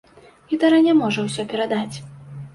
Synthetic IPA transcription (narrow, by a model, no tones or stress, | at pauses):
it̪ɐɾɐnʲɛmɔʐɐwsʲɔpʲɛɾad̪at͡sʲ